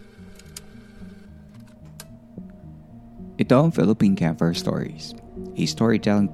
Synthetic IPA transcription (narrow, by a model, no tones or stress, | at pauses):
ʔɪt̪õʊ̃nfɪ̰lˠəpĩːnkʰæ̃mfə˞stɔ̰ɹḭshɪst̪ʰɔɹit̪ʰɛlˠɪ̃ŋ